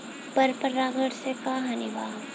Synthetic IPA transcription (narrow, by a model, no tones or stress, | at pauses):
pɐɾpəɾaːɡəɽsekaɦɐnɪbʱaː